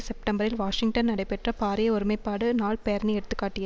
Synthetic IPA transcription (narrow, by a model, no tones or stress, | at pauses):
sɛp̚ʈɐmbɐɾɪlʋaːʂɪŋ̚ʈɐnnːɐɽɐɪpɛʈrɐpaːɾɪjɐʊɾɯmɐɪpːaːɽɯnaːɭpɛjɐɾniɛɽɯt̪ːɯkːaːʈːɪjɐ